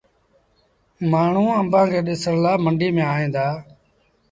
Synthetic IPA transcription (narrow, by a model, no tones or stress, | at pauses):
maːɳ̤ũːəmbãːkʰeːɗɪsəɽlaːməɳɖʱiːmẽːaːɦẽːd̪aː